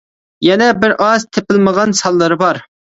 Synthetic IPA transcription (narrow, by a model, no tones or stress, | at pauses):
jɛnɛbɪɾʔɑzt̪ʰepɪlməʁɑnsɑlˠːɨɾɨbɑɾ